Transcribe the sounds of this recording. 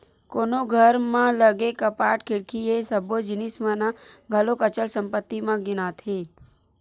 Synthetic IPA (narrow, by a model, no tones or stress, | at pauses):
konoɡʱəɾmãləɡekəpaːʈkʰɪɽkʰiesəbod͡ʒɪnismə̃naɡʱəlokət͡ʃəɭsə̃mpət̪ːimãɡɪnat̪ʰe